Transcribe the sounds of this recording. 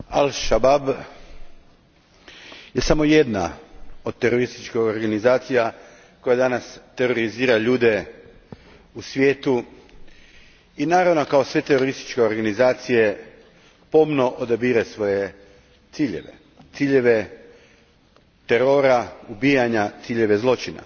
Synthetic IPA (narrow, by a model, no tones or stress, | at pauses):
alʃabab | je̞samo̞je̞d̪na̰o̞d̪̚t̪e̞ɾo̞ɾist̪it͡ʃkoɡoɾɡanizaːt̪sija | ko̞jad̪anast̪e̞ɾo̞ɾiziːɾaʎuːd̪e̞ | usʋʲje̞ːt̪u | inaːɾaʋno̞kao̞sʋe̞t̪e̞ɾo̞ɾist̪i̥t͡ʃke̞o̞ɾɡanizaːt̪sije̞ | po̞mno̞ʔod̪abiːɾasʋo̞je̞ | t̪siːʎe̞̰ʋe̞̰ | t̪siːʎe̞ʋe̞ | t̪eɾo̞ɾaubiːjaɲat̪siːʎe̞ʋe̞zlˠo̞t͡ʃina̰